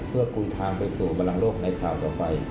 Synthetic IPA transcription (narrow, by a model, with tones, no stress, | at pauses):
pʰɯ˥˩ɐku˧jt̪ʰaː˧ŋpa˧jsuː˨˩ba˧nla˧ŋloː˥˩k̚na˧jkʰaː˨˩wt̪ɔː˨˩pa˧j